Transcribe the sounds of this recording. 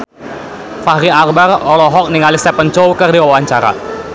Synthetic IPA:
faɦɾiarbarɔlɔɦɔk̚niŋalist̪ɛpənt͡ʃowkərdiwawaɲt͡ʃaɾa̰

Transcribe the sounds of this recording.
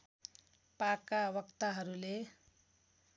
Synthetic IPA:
pakawʌkt̪aɦʌɾule

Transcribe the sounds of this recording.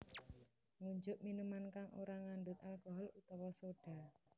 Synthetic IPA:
ŋuɲd͡ʒʊʔminumankaŋʔo̰ɾaŋanɖʊt̪̚alkɔɦɔlut̪ɔwɔsoɖ̥a̤

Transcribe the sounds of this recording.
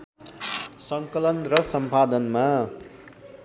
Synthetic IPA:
sʌŋkʌlʌnrʌsʌmpad̪ʌnma

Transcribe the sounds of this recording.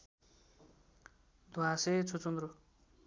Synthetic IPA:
d̪uaset͡sʰut͡sund̪ɾu

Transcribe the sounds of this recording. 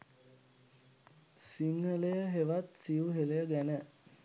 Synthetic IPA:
siŋɦələjəɦeʋat̪siuɦeləjəɡænə

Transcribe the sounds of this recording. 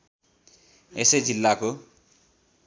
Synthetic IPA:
esejd͡zilːako

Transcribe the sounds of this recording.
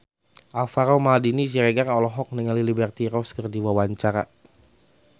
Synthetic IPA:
ʔafaɾamadinid͡ʒiɾɛɡarɔlɔɦɔk̚niŋalilibɛrt̪iɾɔskərdiwawaɲt͡ʃaɾa̰

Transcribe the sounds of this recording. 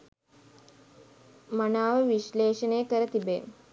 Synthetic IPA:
mɐnaːʋɐʋiʃleːʃɐneːkɐɾɐt̪ibeː

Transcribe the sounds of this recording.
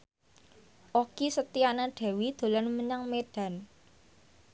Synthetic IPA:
ʔokisət̪ianaɖ̥e̤wid̪̥o̤lanməɲaŋmeɖ̥a̤n

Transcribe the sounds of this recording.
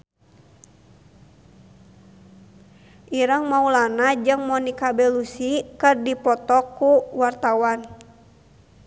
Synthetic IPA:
ʔiɾəŋmaulanad͡ʒɨŋmɔnikabɛlusikɨrdipɔt̪ɔkːuwart̪awan

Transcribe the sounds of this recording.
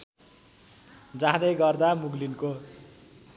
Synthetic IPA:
d͡zãɦd̪ejɡʌrd̪amuɡlinko

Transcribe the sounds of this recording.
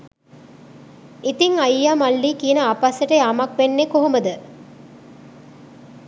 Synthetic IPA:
it̪iŋɐjːamɐlːiːkiːənəapasəʈejamɐk̚ʋenːekoɦuməd̪ə

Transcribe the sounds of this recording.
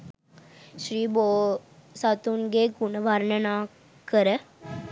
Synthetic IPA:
ʃɾiːboːsat̪unɡekunʋaɾnənaː | kəɾə

